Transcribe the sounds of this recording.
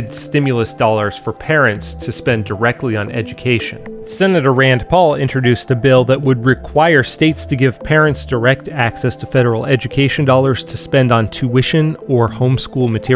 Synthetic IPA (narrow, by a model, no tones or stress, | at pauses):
dstɪ̃mjl̩ˠəsd̥ɔlˠə˞z̥fə˞pʰɛɹɨ̃ntstʰɨspɛ̃ndə˞ɛk̚tˡliə̃nɛ̰d͡ʒɨkʰeɪʃɨ̰̃nsɛnɨɾə˞ɹæ̃npʰɔlˠɪ̃nt͡ʃɹ̥ɨdʉsðɨbɪlˠðɨt̚wəd̚ɹɨkʰw̥aɪə˞steɪtstʰɨɡɪv̥pʰɛɹɨ̃ntsd̥ə˞ɛk̚tæksɛstʰɨfɛɾə˞l̩ˠɛd͡ʒɨkʰeɪʃɨ̃n̩dɑlˠə˞z̥tʰɨspɛ̃ndn̩tʰʉɪʃɨ̃nə˞hõʊ̃mskulˠmɨtʰɪ